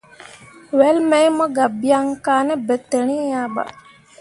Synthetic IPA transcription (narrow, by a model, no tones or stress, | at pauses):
ʋelmejmɐɡɐbijaŋkaːnebet̪ːeɳiːjaːba̰